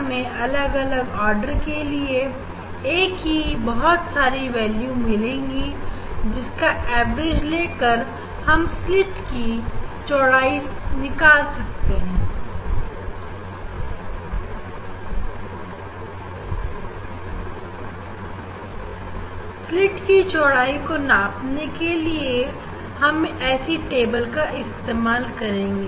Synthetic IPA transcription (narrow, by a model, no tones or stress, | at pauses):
mẽʔɐləɡɐləɡɔːɾɖəɾkelie | eːkɦibɐɦʊt̪saːɾiʋɛːljumɪlẽːŋɡid͡ʒɪskaʔɛːbɾɪd͡ʒleːkəɾ | hɐmslɪʈkit͡ʃɔːɽaːinɪkaːlsɐk̚t̪eɦɛ̃ː | slɪʈkit͡ʃɔːɽaːikonaːpnekelie | hɐmɛːsiʈeːbəlkaʔɪst̪eːmaːlkɐɾẽːɡeː